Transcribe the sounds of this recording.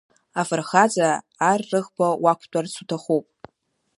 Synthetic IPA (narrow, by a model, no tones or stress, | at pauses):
afɨrχad͡zʼaː | rːɨʁbawakʷʰtʼart͡sʰutʰaχupʼ